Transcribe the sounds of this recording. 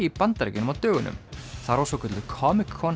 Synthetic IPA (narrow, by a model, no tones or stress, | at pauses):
ipant̪aɾɛcɪnʏmaðt̪œːɣʏnːʏ̰mθaɾɔsɔkʰʏt̪lʏkʰɔmɪkʰːɔn